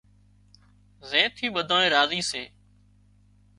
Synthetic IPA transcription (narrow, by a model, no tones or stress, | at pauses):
zẽːt̪ʰiːɓəd̪ʱaːẽːɾaːziːseː